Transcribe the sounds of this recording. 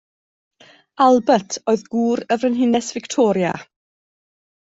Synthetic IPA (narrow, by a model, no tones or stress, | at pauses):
alˠbətʰoːɨðɡuːɾəvrənɦɪnɛsv̥ɪktʰɔːɾja̰